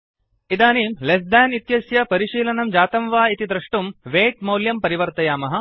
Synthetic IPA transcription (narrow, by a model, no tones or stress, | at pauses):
id̪aːniːmles̬d̪aːnit̪jɐsjɐpɐɾiʂiːlɐnɐmd͡ʒaːt̪ɐmʋaːit̪id̪ɾɐʂʈumʋeːʈ̚moːljɐmpɐɾiʋɐɾt̪ɐjaːmɐɦɐ̆